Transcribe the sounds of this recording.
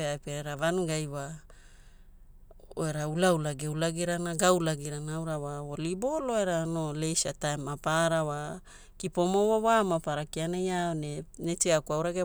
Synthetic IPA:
eajpeeɾavanuɡajwa | oeɾaulaulaɡewlaɡiɾanaɡawlaɡiɾanaawɾawawolibo̞loeɾanolejsatajmapaɾawa | kipo̞mowawamapaɾakianajaonenet͡ʃeakuawɾaɡe

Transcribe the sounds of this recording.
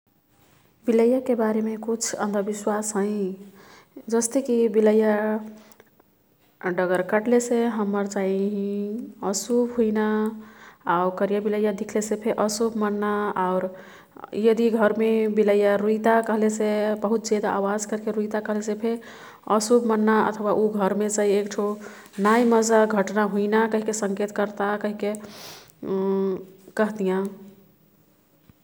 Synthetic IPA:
biləjakebaɾemekut͡ʃʰə̰̃nd̪ʱəbiswasɦə̃ĩ | d͡ʒəst̪ekibiləja | ɖəɡəɾkəʈleseɦəmːəɾt͡ʃaɦiɦĩəsubɦuina | aukəɾijabiləjad̪ikʰlesepʰeʔəsubmənːaaʊɾ | jəd̪iɡʱəɾmebiləjaɾuit̪akəɦlesebəɦut̪̚d͡ʒed̪aʔawad͡ʒkəɾkeɾuit̪akəɦlesepʰe | əsubmənːaə̰t̪ʰwaʔuɡʱəɾmet͡ʃaiekʈʰo | najməd͡ʒaɡʱəʈnaɦuinakəɦikesə̃ŋket̪kəɾt̪akəɦike | kəɦt̪ijã

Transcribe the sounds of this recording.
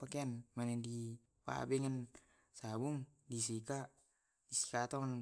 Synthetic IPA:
pakɛanmanɛndi | pa̰bɛŋan | sabuŋdis̬ika | disi̥kat̪ɔŋan

